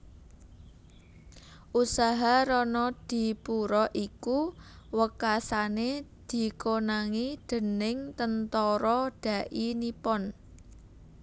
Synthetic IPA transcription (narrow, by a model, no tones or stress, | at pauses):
ʔusaɦaɾɔnɔd̪̥i̤puɾɔʔiku | wəkasaned̪̥i̤konaŋid̪̥ə̤nɪŋt̪ənt̪ɔɾɔɖ̥a̤ʔinipɔn